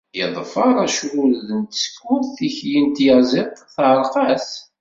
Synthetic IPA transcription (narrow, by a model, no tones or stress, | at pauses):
jəðˤfɑɾˤæʃwʊlðənt̪skːʊθθiçjint̪jɑzˤit̪ˤθʕəɾˤqɑs